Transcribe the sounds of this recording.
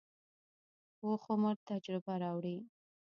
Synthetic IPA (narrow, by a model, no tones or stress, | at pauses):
woxoməɾt̪ad͡ʒɾɪbaɾɑwɽi